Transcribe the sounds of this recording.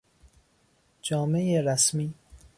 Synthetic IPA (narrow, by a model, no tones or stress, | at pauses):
d͡ʒɒːme̞jeɾæsmiː